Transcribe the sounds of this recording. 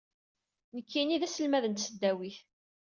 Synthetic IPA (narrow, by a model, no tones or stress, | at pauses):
nəkʰːiniðæsəlmæðənt̪səd̪ːæwiθ